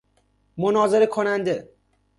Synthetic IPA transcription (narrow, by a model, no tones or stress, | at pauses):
monɒːzeɾekʰonænd̪e